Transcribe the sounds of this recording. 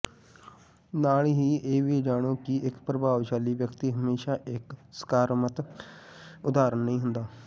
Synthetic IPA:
naːlɦiːeːʋiːd͡ʒaːɽ̃õːkiʔɪkpɾəbʱaːʋʃaːliːʋjəkt̪iːɦəmeːʃaːʔɪksə̥kaːɾmət̪ | ʊd̪aːɾənːɦĩːɦʊ̃nd̪aː

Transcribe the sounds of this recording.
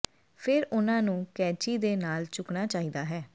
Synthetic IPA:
pʰɪɾʊnãːnũːkɛːt͡ʃiːd̪eːnaːlt͡ʃʊknaːt͡ʃaːiːd̪aːɦɛː

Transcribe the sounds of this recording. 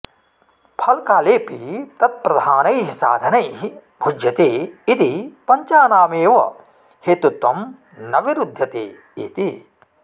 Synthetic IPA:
pʰɐlkaːleːpit̪ɐt̪̚pɾɐd̪ʱaːnɐjɦisa̰ːd̪ʱɐnɐjɦi | bʱud͡ʒjɐt̪eːit̪ipɐɲt͡ʃaːnaːmeːʋɐ̰ | heːt̪ut̪ʋɐm | nɐʋiɾud̪ʱːɐt̪ḛː | ḭt̪i

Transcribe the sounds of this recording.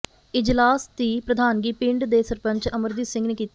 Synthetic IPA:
ɪd͡ʒlaːst̪iːpɾəd̪ʱaːnɡiːpɪ̃ɳɖd̪eːsəɾpə̃ɲt͡ʃəməɾd̪iːsɪ̃ŋɡneːkiːt̪

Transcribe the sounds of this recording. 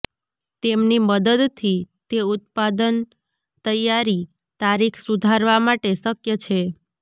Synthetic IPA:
t̪emniməd̪əd̪t̪ʰit̪eʊt̪̚pad̪ən | t̪əjːaɾi | t̪aɾikʰsud̪ʱaɾʋamaʈesəkjət͡ʃʰe

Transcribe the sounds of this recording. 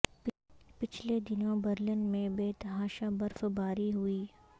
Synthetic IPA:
pɪt͡ʃʰled̪ɪnõbɐɾlənmẽbeːt̪ɦaːʃabɐɾfbaːɾiɦʊiː

